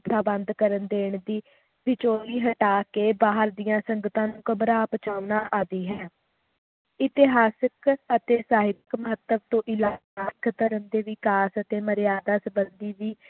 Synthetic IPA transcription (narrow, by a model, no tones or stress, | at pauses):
p̪ʰaːbənd̪kəɾənd̪eːɳd̪iː | bɪt͡ʃoːɾiːɦəʈaːkeːbaːɦəɾd̪ijãːsəŋɡət̪ãːnũːkəbɾaːpət͡ʃaːʋnaːʔaːd̪iːɦɛː | ɪt̪ɪɦaːsəkət̪eːsaːɦɪtkməɦət̪ːəʋt̪õːʔɪlaːaːkt̪əɾənd̪eːʋɪkaːsət̪eːməɾjaːd̪aːsəbənd̪iːʋiː